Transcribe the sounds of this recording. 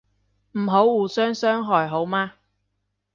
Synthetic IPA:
m̩˨˩ɦo˨˥wwuː˨˩sœː˥ŋsœː˥ŋɦɔː˨˩jɦo˨˥wmaː˧

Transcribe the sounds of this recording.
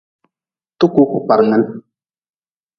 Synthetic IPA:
tu˦ku˦ku˨pa˨ɾŋə˦n

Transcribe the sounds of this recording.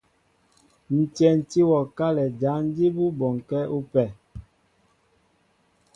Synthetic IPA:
n̩˨tɛ˨n̩˨ti˦wɔ˨ka˦lɛ˨d͡ʒa˨˦n˦di˦bu˦bɔ˨ŋ˨kɛ˦u˦pɛ˨

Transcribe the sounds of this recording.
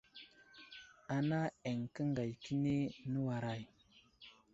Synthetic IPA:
a˨na˦e˨ŋkə˦ŋɡa˨jki˦ne˦nə˦wa˨ɾa˨j

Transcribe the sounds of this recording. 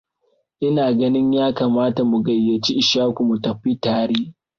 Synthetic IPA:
ʔɪ˦naː˨ɡɐ˦nɪ˦ɲjaː˦kaː˨maː˦ta˨mu˨ɡɐ˨jːɐ˨t͡ʃi˦ʔɪ˨ʃaː˦kʷu˨mu˨tɐ˨ɸi˦taː˦ɾeː˦

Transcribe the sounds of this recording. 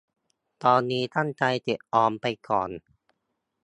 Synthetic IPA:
t̪ɔː˧nːiː˦˥t̪ʰa˥˩nt͡ɕa˧jt̪i˨˩t̪̚ʔɔː˧mpa˧jkɔ̰ː˨˩n

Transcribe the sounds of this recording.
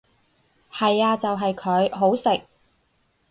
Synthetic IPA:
hɐ˨jaː˧t͡sɐ˨wɦɐ˨jkʰɵ˨˧ɥɦo˨˥wsɪ˨k̚

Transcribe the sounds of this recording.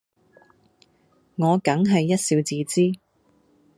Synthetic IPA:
ŋɔː˨˧kɐ˨˥ŋɦɐ˨jːɐ˥t̚siː˧wt͡siː˨˧t͡siː˥

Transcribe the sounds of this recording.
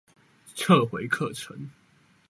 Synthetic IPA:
t͡sʰə˥˨xwe˧˥ɪkʰɤ˥˨ʈ͡ʂʰə̰˨˦ŋ

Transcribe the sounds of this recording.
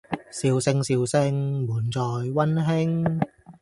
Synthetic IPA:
siː˨wsɪ˧ŋsiː˨wsɪ˧ŋmuː˨˩nt͡sɔː˨˩jwɐ˥nɦɪ˥ŋ

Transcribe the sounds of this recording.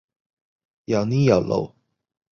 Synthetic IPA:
ja˨˩wni˦ja˨˩lo̰˨˦

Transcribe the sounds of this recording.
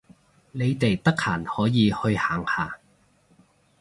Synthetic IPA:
ne˨˧jt̪e˨jt̪ɐ˥k̚ha̰ː˨˩nhɔː˨˥jiː˨˧hɵ˧ɥhaː˨ŋhaː˨˧

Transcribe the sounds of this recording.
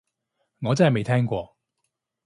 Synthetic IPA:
ŋɔː˨˧t͡sa˥˩jme˨˧jt̪ʰɛ˥ŋkwɔ˥˩

